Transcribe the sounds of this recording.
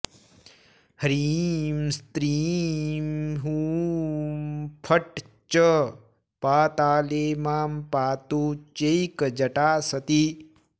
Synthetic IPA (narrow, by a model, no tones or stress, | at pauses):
hɐɾimst̪ɾimɦuːmpʰəʈ | t͡ʃə | paːt̪aːleːmaːmpaːt̪uːt͡ʃeikd͡ʒɐʈaːsɐt̪i